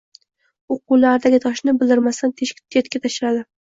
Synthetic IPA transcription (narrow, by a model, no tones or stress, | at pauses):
oqulaɾd̪aɡʲɪt̪ʰɒʃnɪbɪld̪ɪɾmast̪ant̪ʰeʃkʲɪ̥t̪ʰːjet̪kʲat̪ʰaʃɾad̪ɪ